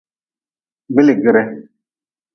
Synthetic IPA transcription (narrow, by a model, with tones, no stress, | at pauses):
bi˦le˨ɡɪ˦ɾɛ˦